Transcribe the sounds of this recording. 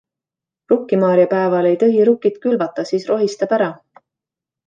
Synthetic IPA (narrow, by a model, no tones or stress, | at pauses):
rukːˑimɑːɾjɑpæevɑle̞jt̪ɤɦiɾukːˑit̪kylvɑt̪ːˑɑsiːsro̞ɦist̪ɑpæɾɑ